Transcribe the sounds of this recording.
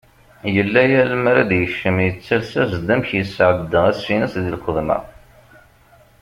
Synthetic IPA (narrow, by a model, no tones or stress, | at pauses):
jəlːæjæləmɾæd̪jəʃːəmjət͡sːəɾsæzd̪æmçjəsʕəd̪ːəʁæsːinəsðilxəðˤmə̰